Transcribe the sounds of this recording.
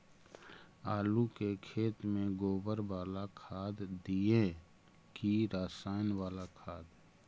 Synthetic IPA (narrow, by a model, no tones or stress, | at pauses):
aːlukekʰeːt̪mẽɡoːbəɾwaːlakʰaːd̪d̪iẽ | kiɾaːsaːɪnwaːlakʰaːd̪